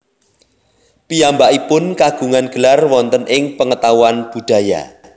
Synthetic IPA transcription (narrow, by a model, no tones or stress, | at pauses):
pijambaʔipʊnkaɡ̥ṳŋanɡ̥əlarwɔnt̪ənʔɪŋpəŋət̪awanb̥ṳɖ̪̥ä̤ja̰